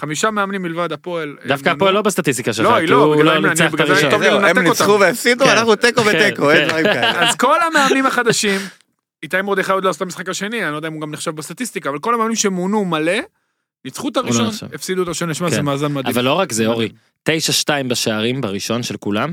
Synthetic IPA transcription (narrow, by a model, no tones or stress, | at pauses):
χamiʃameamnimːilvad̪apo̞eld̪afkaaoelːobest̪at̪is̬t̪ikaʃeloilobɡloanbiɡtomilenaeeniotauveefsid̪uannaχnut̪ekobetekoeaazko̞lameamnimhaχad̪aʃim | it̪aemod̪eχajod̪laːsot̪amisχakaʃe̞nianijod̪aimuɡamneχʃavbest̪at̪ist̪ikaːvalko̞lhameamnimʃemunumale̞ | nit͡sχut̪aʁiʃonʃvefsid̪ut̪aiʃonliʃmazemaːzanmad̪ivalːo̞ʁakzeoʁi | t̪e̞jʃaʃtaimbeʃeaʁimbaʁiʃo̞nʃelkulam